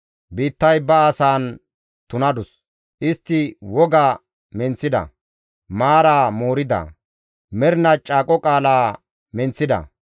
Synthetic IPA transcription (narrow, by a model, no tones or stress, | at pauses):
biːt̪ːɐjbɐːsaːn | t̪ʊnɐd̪ʊs | ʔɪst̪ːɪwɔɡaː | mɛnt͡sːɪd̪ɐ̰ | maːɾaːmoːɾɪd̪ɐ̰ | mɛɾnɐt͡ʃʼːaːkʼɔkʼaːlaː | mɛnt͡sːɪd̪ɐ̰